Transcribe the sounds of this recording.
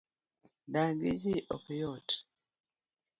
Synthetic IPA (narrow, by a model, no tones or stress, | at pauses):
daŋɡid͡ʒiʔokjɔt